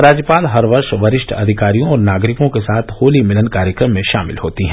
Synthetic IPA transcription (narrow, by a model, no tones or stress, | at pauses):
ɾaːd͡ʒjəpaːlɦɐɾʋɐɾʃʋɐɾɪʃʈʰɐd̪ʱɪkaːɾijõɔːɾnaːɡɾɪkõkesaːt̪ʰhoːlimɪlənkaːɾjəkɾəmːẽʃa̰ːmɪ̰lɦoːt̪iɦɛ̃ː